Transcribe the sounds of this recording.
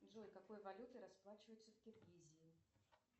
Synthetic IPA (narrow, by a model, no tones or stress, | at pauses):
d̪ʐojʲkɐko̞jvɐlʲut̪ɨɾɐsplˠat͡ɕɪvəjʊt̪səfʲkʲɪrɡʲizʲɪː